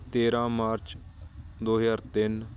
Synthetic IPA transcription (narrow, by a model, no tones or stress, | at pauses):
t̪eːɾãːmaːɾt͡ʃ | d̪oːɦjaːɾt̪ɪn